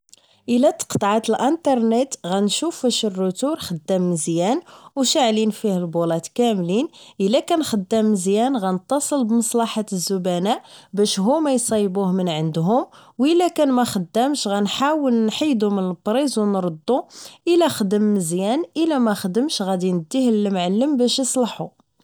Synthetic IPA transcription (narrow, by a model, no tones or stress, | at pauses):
ʔəlæt̪ə̥qt̪ˤʕat̪əlʔənt̪ɑɾˤnit̪ɣænʃufæʃərːʊt̪uɾxəd̪ːæmːəzjænwʃəʕlinfihælbulɑt̪kæmlinʔəlːækænxəd̪ːəmːəzjænɣænət̪ˤːɑsˤəlbmɑsˤlɑħat̪əzːʊbænæʔbæʃɦumæjsˤɑjbuhmənʕənd̪ɦʊmwəlːækænmæxəd̪ːəmʃɣænħawəlnħijd̪umənəlbɾizwnɾˤəd̪ˤːuʔəlæxəd̪əmːəzjænʔəlæmæxəd̪əmʃɣæd̪inəd̪ːihəlmʕalːəmbæʃjəsˤlɑħu